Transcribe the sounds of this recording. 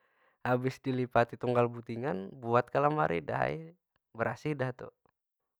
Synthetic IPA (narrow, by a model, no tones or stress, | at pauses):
habɪsdilipat̪it̪uŋɡalbut̪iŋanbuat̪̚kalama̰ɾḭda̰ɦa̰j̰ | bəɾʔasidaht̪ṵ